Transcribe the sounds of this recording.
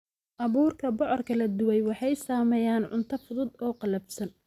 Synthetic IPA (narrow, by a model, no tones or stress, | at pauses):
ʔɑβuːrkʰɐbɔʕɔrkʰɐlɐd̪ʊwɛjwɑħɑjsaːmɛːjaːnʕʊ̰nt̪ʰɐfʊðʊd̪ɔːqɑlɐbsɐn